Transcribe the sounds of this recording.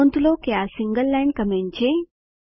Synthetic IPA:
nt̪ulokeasiŋɡəlːɛɳɖ̚kɐmeɳt͡ɕʰe

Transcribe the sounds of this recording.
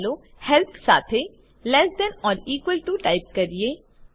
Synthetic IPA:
loː | hɛlp̪ʰsa̰ːt̪ʰe | lɛsɖ̪ɛ̃nɔːɾiːkwəlʈuʈaːɪp̚kɐɾieː

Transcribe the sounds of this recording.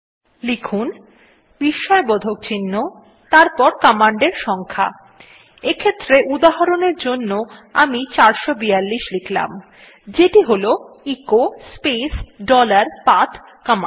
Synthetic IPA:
likʰun | b̥iʃːɔebɔd̪ʱok̚t͡ɕinːo | t̪aɾpɔɾkɔmaɳɖeɾʃɔŋkʰa̰ | ekʰet̪ːɾeʔud̪aɦaɾoneɾd͡ʑonːoamit͡ɕaɾʃobijalːiʃlikʰla̰m | d͡ʑeʈiɦolo | ikospesɖɔlaɾpat̪ʰ | kɔma

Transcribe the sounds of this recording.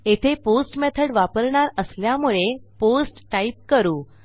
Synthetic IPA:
et̪ʰeposʈmɛt̪ʰəɽʋapəɾɳaɾəsljamuɭeposʈʈaip̚kəɾuː

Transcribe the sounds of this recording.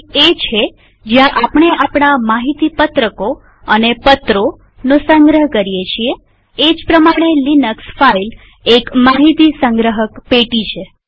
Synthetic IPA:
et͡ʃʰe | d͡ʒjãʔapɳ̃eʔapɳamaɦit̪ipət̪ɾəko | ənepət̪ɾo | nosəŋɡɾəɦkəɾijet͡ʃʰie | ed͡ʒpɾəmaɽ̃elinəksfail | ekmaɦit̪isəŋɡɾəɦəkpeʈit͡ʃʰe

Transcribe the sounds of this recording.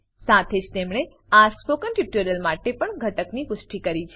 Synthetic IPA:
sat̪ʰed͡ʒt̪emɽ̃e | aspokənʈiʈuɾəlmaʈepəɳɡʱəʈəknikʊsʈikəɾit͡ʃʰe

